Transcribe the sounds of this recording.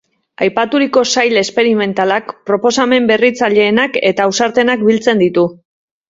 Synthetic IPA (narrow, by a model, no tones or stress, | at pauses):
ajpat̪uɾiko̞sajle̞spe̞ɾime̞nt̪alakpɾo̞po̞same̞mbe̞rit͡saʎe̞ːnake̞t̪aːwsaɾt̪e̞nakbilt͡se̞nd̪it̪u